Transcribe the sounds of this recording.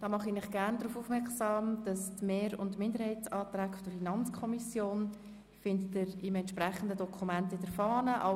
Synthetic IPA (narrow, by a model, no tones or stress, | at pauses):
d̥ɑːmɑχinɪχɡ̥æɾndɾuːfuːfmɛɾksɑːmd̥ɑstmeːɾʊ̰ntmɪndəɾhɛɪtt͡sɑːtræːkfɔdəɾfinɑnt͡skʰɔmisjoːn | fɪndətɪɾɪmɛntʃprɛχən̩dədɔkʰumɛntɪd̥əɾfɑːnəʔɑ